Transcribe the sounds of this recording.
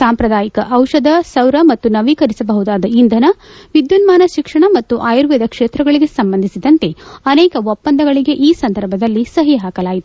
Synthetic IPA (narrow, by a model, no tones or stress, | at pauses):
saːmpɾɐd̪aːjikɐʔɐwʃɐd̪ɐsɐwɾɐmɐt̪ːunɐʋikɐɾisɐbɐɦud̪aːd̪ɐind̪ʱɐnɐʋid̪junmaːnɐʃikʂɐɳɐmɐt̪ːuʔaːjɐɾʋɛd̪ɐkʂeːt̪ɾɐɡɐɭiɡe̞sɐmbɐnd̪isid̪ɐnt̪e̞ɐnɛːkɐɔpːɐnd̪ʱɐɡɐɭiɡe̞ʔiːsɐnd̪ʱɐɾbʱɐd̪ɐlːisɐɦiɦaːkɐlaːjit̪u